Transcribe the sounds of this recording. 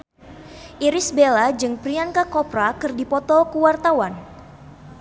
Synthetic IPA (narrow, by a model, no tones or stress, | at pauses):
ʔiɾɪsbelad͡ʒɨŋpɾiaŋkakɔpɾakɨrdipɔt̪ɔkuwart̪awan